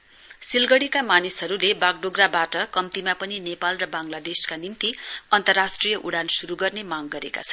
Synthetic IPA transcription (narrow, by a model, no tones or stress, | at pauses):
silɡʌɽikamanisɦʌɾulebaɡ̚ɖoɡrabaʈʌkʌmt̪imapʌninepalrʌbaŋlad̪eskanimt̪iʌnt̪ʌrːasʈrijʌʔuɽansuɾuɡʌrnemaɡɡʌɾeka̰t͡sʰʌn